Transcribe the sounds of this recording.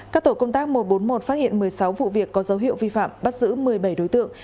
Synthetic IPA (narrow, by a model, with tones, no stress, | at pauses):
kaː˦˥k̚t̪o˧˩kə˧wŋ͡mt̪aː˦˥k̚mo˨˩t̚ɓo˨˦nmo˨˩t̚faː˦˥t̚hḭ˧˨ənmɨ˨˩əjsa˨˦wvṵ˧˨vi˨˩əkːɔ˨˦zə˨˦wɦḭ˧˨əwvi˧fa̰ː˧˨mɓa˦˥t̚zɨ̰˧˥mɨ˨˩əjɓə˧˩jɗo˨˦jt̪ɨ̰˧˨əŋ